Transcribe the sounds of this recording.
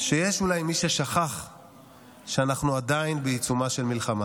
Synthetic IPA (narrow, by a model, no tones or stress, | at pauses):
ʃejeʃulajmiʃeʃaχaχ | ʃeanaχnuad̪ainbeit͡sumaʃe̞lmilχama